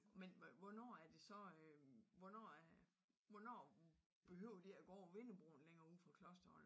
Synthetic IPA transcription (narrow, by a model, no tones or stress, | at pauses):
menʋɒnɒ̰ːæɐd̥e̝sɒ̽ | ʋɒnɒ̰ːæ | ʋɒnɒ̰ː | b̥e̝ɦø̰ːʊɐd̥eæɡ̥ɒ̰ːʋe̝nəb̥ʁo̰n̩leŋɐːuð̰ˠfʁɑ̈kʰlɒ̽sd̥ɐɒl